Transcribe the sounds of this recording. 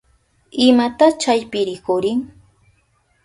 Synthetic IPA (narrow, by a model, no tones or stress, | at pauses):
ɪmat̪at͡ʃajpɪɾɪkʊɾɪŋ